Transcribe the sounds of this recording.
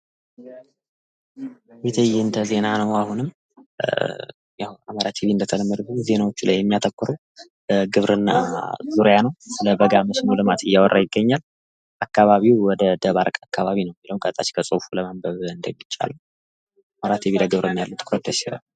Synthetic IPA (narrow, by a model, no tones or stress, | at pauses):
bet̪ʰəjːɛɨnt̪ʰəze̞nanəwahunɨm | jawaməɾat̪ʰeβiɨnd̪ət̪ʰələmːəd̪kuze̞nawot͡ʃːula̰jːɛmːijat̪ʰəkʷʼːɨɾəw | əɡɨβɾɨnːa̰zuɾjanəwsɨləbəɡaməsnəwlɨmat̪ʰɨjːawɔrːajɪɡːəɲːal | ʔakːaβaβiwwɔd̪əd̪əβaɾkʼakːaβaβinəwmːiləwŋkʼət̪ʼat͡ʃkʰəsʼofuləmambəβɨnd̪əmɪt͡ʃʼːa̰lə | aməɾat̪ʰeβiləɡɨβɾəmːijalːut̪ʰʼːɨ̥kɾət̪ʰːəʃiɾa̰